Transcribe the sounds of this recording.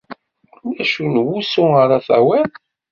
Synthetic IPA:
ʊlæʃunwusuəɾˤaθæ̰wæn

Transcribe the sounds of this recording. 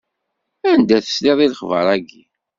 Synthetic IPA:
ænd̪æθə̥sleðˤilχvə̰ɾˤæɡi

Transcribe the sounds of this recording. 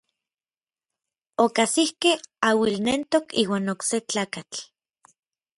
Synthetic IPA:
okasihkehawilnent̪okḭːwaːnokset͡ɬaːkat͡ɬ

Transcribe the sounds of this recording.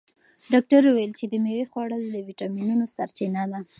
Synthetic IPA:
ɖɑk̚ʈaɾuwajəlt͡ʃed̪əmewexwɑɽəld̪əwiʈɑminunosaɾt͡ʃinad̪a

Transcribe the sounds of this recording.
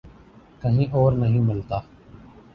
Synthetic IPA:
kəɦĩʔoːɾnəɦĩːmɪlt̪aː

